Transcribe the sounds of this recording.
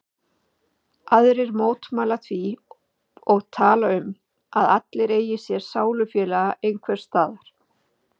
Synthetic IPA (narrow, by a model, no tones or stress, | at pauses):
aðɾɪɾmoːwt̪maːlatθʰvi | ɔɣt̪ʰaːlaʏm | aðat̪lɪɾeːjɪsjɛɾ̥saːwlʏfjɛːlaɣaʔejnkʰvɛɾ̥st̪aːðaɾ̥